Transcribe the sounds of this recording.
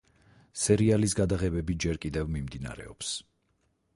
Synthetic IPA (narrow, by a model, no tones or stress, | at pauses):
sɛɾialis̬ɡad̪aʁɛbɛbid͡ʒɛɾkʼid̪ɛvmimd̪ina̰ɾɛ̰ɔps